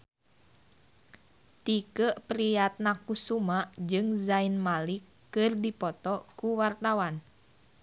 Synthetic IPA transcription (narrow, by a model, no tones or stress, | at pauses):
t̪ikəʔpɾijat̪̚nakusumaʔd͡ʒɨŋzainmalikːɨrdipɔt̪ɔkuwart̪awan